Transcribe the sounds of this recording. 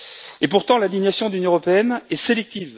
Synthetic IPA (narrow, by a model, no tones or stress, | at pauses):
epuʁt̪ɑ̃lɛ̃d̪iɲjasjɔ̃d̪ynjɔ̃ʁɔpeɛnɛselɛk̚t̪iv